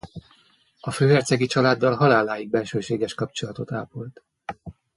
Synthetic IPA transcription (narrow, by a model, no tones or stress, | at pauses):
ɒføːɦɛrt̪sɛɡit͡ʃɒlaːd̪ːɒlɦɒlaːlːaːjiɡ̚bɛlʃøːʃeːɡɛʃkɒpt͡ʃo̞lɒt̪o̞t̪aːpolt̪